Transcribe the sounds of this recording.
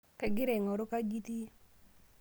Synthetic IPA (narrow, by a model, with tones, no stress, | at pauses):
kɛ˨ɡɪ˦ɾe˨ŋɔ˨ɾo˦ka˦ɡi˦ti˦